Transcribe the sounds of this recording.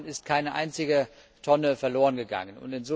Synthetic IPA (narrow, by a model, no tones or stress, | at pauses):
nɪst̚kʰaɪnəʔa̰ɪnt͡sɪɡə | tʰɔnəfɛɐloːʁ̞ənɡəɡa̰ŋənʊ̰ntɪnzo